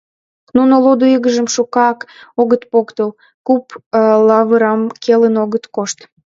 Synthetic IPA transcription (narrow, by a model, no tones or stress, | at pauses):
nunolod̪uiɣəʒəmʃukɑkoɣət̪pokt̪əl | kuplɑβəɾɑmkʰelənoɣət̪koʃt̪